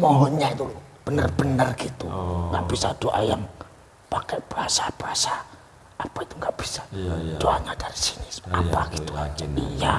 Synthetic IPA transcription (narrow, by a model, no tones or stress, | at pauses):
mɔɦɔɲait̪u | b̥ənərbənərɡit̪uŋɡaʔb̥isadoʔajaŋ | pakɛb̥əɦasab̥əɦasaː | pait̪uŋɡaʔb̥i̥sḁd̥oʔaɲad̥aɾisinɪsmapaɡiuija